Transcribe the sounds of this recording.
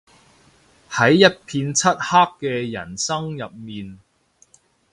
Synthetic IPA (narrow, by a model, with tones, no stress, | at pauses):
hɐ˨˥jːɐ˥t̚pʰiː˧nt͡sʰɐ˥t̚haː˥kkɛː˧jɐ̰˨˩nsɐ˥ŋjɐ˨p̚miː˨n